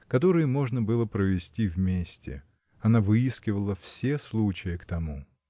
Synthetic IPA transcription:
kɐt̪o̞ɾɨjəmo̞ʐnəbɨlˠəpɾəvʲɪsʲtʲivmʲesʲtʲɪ̰ | ɐnavɨiskʲɪvəlˠəfsʲeslˠut͡ɕɪjəkt̪ɐmu

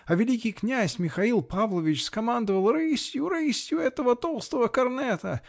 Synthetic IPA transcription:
ɐvʲɪlʲikʲɪjknʲæsʲmʲɪxɐilˠpavlˠəvʲɪt͡ɕskɐmand̪əvəlˠɾɨsʲjʊɾɨsʲjʊɛt̪əvət̪olˠst̪əvəkɐrnɛt̪ə

